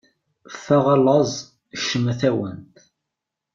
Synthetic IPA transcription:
fæʁɑlːɑzˤ | ʃːəmæθæwə̰nt̪

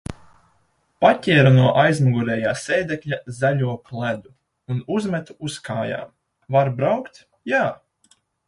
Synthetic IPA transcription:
patʲiɛɾanuɔʔajzmuɡuɾɛːjaːsɛːd̪ɛklʲazaʎʲuɔklˠæd̪u | unuzmʲɛt̪uuskʰaːja̰ːm | vaɾbɾawkt̪ | jaː

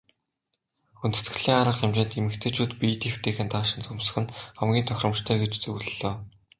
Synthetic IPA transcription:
unt̪ɘ̥̆t̪ɡɘ̆ɮiːŋaɾə̆qemt͡ɕeːnt̪emɘ̆kt̪ʰeːt͡ɕʰuːt̪pit̪ʰew̥t̪ʰeːxɘ̆nt̪aːʃɪ̆nt͡sʊmsə̆χɘ̆nχamɡʲiːnt̪ʰœxʲrɞ̆mʃt̪ʰœːɡet͡ɕt͡sɵwɮɘɮoː

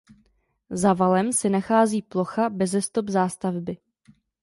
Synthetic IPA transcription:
zavalɛmsɪnaxaːziːplo̞xabɛzɛst̪o̞bzaːst̪avbɪ

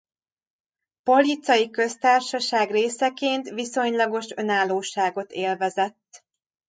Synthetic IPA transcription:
po̞lit̪sɒjikø̞st̪aːrʃɒʃaːɡreːsɛkeːnt̪viso̞ɲlɒɡo̞ʃø̞naːlːoːʃaːɡo̞t̪eːlvɛzɛt̪ː

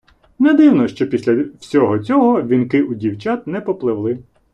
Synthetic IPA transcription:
nɛd̪ɪwnɔʃt͡ʃɔpʲisʲlʲɐwsʲɔɦɔt͡sʲɔɦɔʋʲinkɪʔudʲiwt͡ʃɑt̪nɛpɔplˠɪwlˠɪ

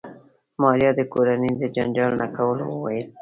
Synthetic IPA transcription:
mɑɾjɑd̪əkoɾaned̪əd͡ʒand͡ʒɑlnakawəlo̰wə̰wa̰jəl

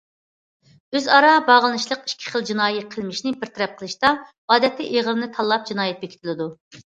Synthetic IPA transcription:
øzɑɾɑbɑʁəlˠɨnɨʃlˠəqi̥ʃkʲʰi̥χəlˠd͡ʒinɑːjɛqʰəlˠmɪʃnɪbɪɾt̪ʰɛɾɛp̚qʰəlˠɨʃt̪ɑ | ɑːd̪ɛt̪ʰːɪʔeʁəɾɨnɨt̪ʰɑlˠːɑp̚d͡ʒinɑːjɛt̪̚bekʲi̥t̪ʰɪlˠɨd̪u

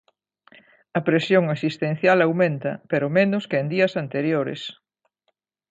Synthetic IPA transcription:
ɐpɾesjoŋasist̪ẽn̟θjalawmẽnt̪ɐ̰peɾomenʊskeend̪iɐsant̪eɾjoɾḛs

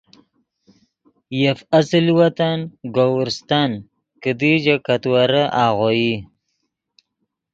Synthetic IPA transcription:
jafasɪlwat̪anɡowɾst̪an | kəd̪id͡ʒakat̪waɾaʔaːɣoji

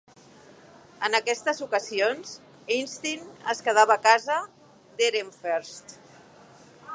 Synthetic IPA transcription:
ənəkɛst̪əzukəzionz | inst̪inəskəð̞aβəːkazə | d̪eɾeɱfeɾst̪

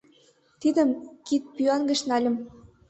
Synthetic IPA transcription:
t̪id̪ə̆mkit̪̚pyɑnɡə̆ʃnɑlʲə̆m

